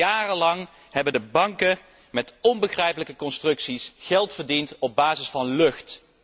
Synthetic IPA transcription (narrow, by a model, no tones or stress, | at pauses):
aːrəlɑŋ | hɛbəndəbɑŋkə | mɛtɔnbəχrɛjpələkəkɔnstrɵksisχɛlˠtfəɹdintɔb̚baːzɪsfɑnlɵxt